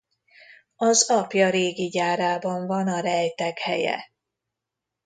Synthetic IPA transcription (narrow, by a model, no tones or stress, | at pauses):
ɒzɒpjɒɾeːɡiɟaːɾaːbɒɱvɒnɒɾɛjt̪ɛɡhɛjɛ̰